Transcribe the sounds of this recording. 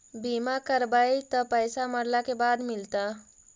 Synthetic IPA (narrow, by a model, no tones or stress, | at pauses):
bimakəɾbajt̪əpəjsaməɽlakebad̪milt̪a